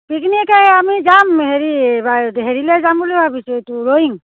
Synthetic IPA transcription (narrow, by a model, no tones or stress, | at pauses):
piknikʰajamizamɦeɾibaɦeɾilɛzambulubʱabisuetuɾoiŋ